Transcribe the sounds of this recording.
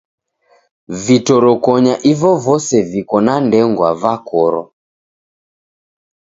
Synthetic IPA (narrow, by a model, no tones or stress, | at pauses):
vitɔɾɔkɔɲaʔivɔvɔsɛvikɔnandɛŋɡwavakɔɾɔ̰